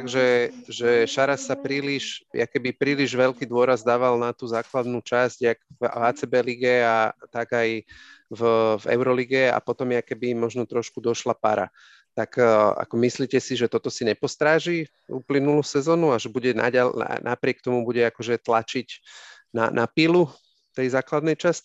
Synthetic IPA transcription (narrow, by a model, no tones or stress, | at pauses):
t̪aɡʒɛʒɛʃaɾasːapɾiːliʃja̰kɛbipɾiːliʒʋɛlkiːd̪ʊɔɾazd̪aːʋalnat̪uːzaːklad̪nut͡ʃazɟakvaːt͡sɛbɛliɡɛat̪aɡajvvɛ̰ʊɾɔliɡɛa̰pɔt̪ɔmjakɛbimɔʒnɔt̪ɾɔʃkud̪ɔʃlapa̰ɾa̰ | t̪aka̰kɔmisliːcɛsiʒɛt̪ɔt̪ɔsiɲɛpɔst̪ɾaːʒi | ṵːplinuluːsɛzɔːnuaʒɛbuɟɛna̰ɟalna̰nʔa̰pɾɪɛk̚t̪ɔmubuɟɛakɔʒɛt̪lat͡ʃicna̰nʔapilu | t̪ɛjzaːklad̪nɛjt͡ʃasci